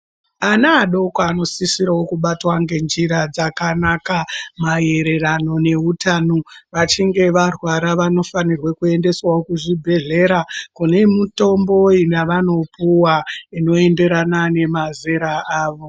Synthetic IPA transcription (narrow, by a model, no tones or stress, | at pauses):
anaːɗo̞kwaːno̞sisiɾawokuɓatwaŋɡe̞nd͡ʒiɾad͡zakanakamaje̞ɾe̞rano̞ne̞utanoʋat͡ʃiŋɡe̞ʋarwaɾaʋano̞fanirwekuende̞swaokuʐibʱe̞ɮe̞ɾakune̞muto̞mbo̞inaʋano̞puwaino̞e̞nde̞ɾanane̞mazeɾaʔaːʋo̞